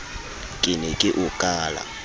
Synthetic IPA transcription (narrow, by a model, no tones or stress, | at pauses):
kʼɪnɛkʼɪʔʊkʼaːla̰